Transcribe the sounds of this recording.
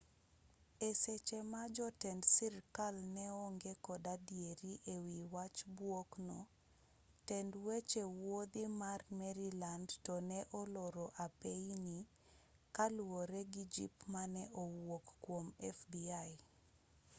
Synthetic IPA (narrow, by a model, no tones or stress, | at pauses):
eset͡ʃemad͡ʒɔtɛndsirkalnɛɔŋɡekɔdadijeɾiʔewiwat͡ʃbwoknɔ | tɛndwet͡ʃewod̪imarmɛɾilandtɔnɛʔɔlɔɾɔʔapeini | kalwoɾɛɡid͡ʒḭpmanɛʔɔwokkwomɛfbiaj